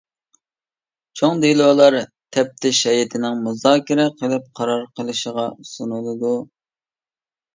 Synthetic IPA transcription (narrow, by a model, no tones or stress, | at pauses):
t͡ʃʰoŋd̪ilˠoːlˠɑɾ | t̪ʰɛp̚t̪ʰɪʃɛjɪt̪ʰɪnɪŋmuzɑːkʲɪɾɛqʰəlˠɪp̚qʰɑɾɑɾqʰəlˠɨʃəʁɑsunulˠɨd̪u